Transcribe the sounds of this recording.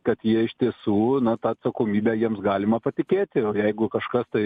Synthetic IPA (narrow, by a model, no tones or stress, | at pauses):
kɐt̪jiɛɪʃt̪ʲiɛsuːnɐt̪ɑːɐt̪sɐkoːmʲiːbʲæjiɛmsɡɑːlʲɪmɐpɐt̪ʲɪkʲeːt̪ʲɪoːjɛɪɡʊkɐʃkɐst̪ɐɪ